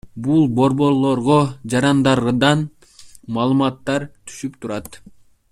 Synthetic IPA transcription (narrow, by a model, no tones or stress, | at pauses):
bulˠbo̞ɾbo̞ɾlˠo̞ɾʁod͡ʒɑɾɑnd̪ɑɾd̪ɑn | mɑːlˠɯmɑt̪ːɑɾt̪ʰy̥ʃypt̪ʰuɾɑt̪